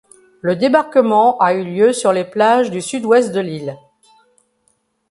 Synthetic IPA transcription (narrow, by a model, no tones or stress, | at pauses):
ləd̪ebaʁkəmɑ̃ʔayljøsyʁleplaʒd̪ysyd̪wɛst̪̚d̪əlil